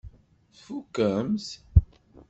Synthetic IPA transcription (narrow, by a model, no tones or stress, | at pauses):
θfukːəms